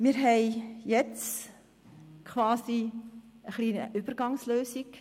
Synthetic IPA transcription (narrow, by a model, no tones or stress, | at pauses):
mɪɾɦɛɪjɛt͡s | kʰvɑːsiəχliːnəʔyb̥ərɡɑŋsløːsik